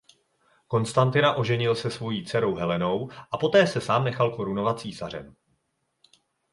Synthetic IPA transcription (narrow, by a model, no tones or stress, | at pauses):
ko̞nst̪ant̪ɪnaʔo̞ʒɛɲɪlsɛsvo̞jiːt͡sɛɾo̞wɦɛlɛno̞wʔapo̞t̪ɛːsɛsaːmnɛxalko̞ɾuno̞vat̪̚t͡siːsarɛ̰m